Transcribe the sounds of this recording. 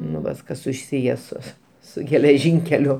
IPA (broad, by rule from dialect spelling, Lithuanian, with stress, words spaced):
nʊ ˈʋɐs ˈkɐs sʊˈsʲiːjɛ sʊ sʊ ɡʲɛlʲɛˈʒʲiːŋʲkʲɛlʲʊ